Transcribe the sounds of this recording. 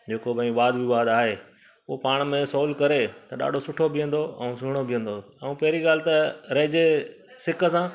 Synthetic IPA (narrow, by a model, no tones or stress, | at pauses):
d͡ʑeːkobɐ̃ĩʋaːd̪biʋaːd̪aːɦeː | ʊɦopaːɽ̃mẽsɔːlkɐɾet̪ɐɗa̰ːɖʱosʊʈʰobʱijə̃n̆d̪oɛ̰̃ũsʊɪɽ̃obʱɪjə̃n̆d̪o | ɛũpɐɦɪɾiɠaːlɪt̪ɐɾɐɦɪd͡ʑe | sɪkʰə̆sãː